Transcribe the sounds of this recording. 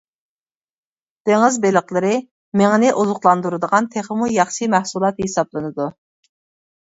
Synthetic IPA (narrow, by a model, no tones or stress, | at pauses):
d̪̥eŋɪzbeləqlˠɨɾɨ | meŋɪnɪʔozʊqlˠɑnd̪uɾɨd̪əʁɑnt̪ʰeχəmujɑχʃimæhsulˠɑt̪hesɑblˠɨnɨd̪u